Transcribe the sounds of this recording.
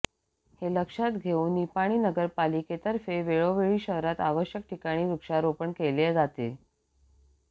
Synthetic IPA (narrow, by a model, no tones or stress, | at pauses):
heləkʂat̪ɡʱeuːnːipaɽ̃iːnəɡəɾpaliket̪əɾfeʋeɭoʋeɭiːɕəɦɾat̪aʋəɕjək̚ʈʰikaɽ̃iːɾukʂaɾopəɳkeled͡zat̪e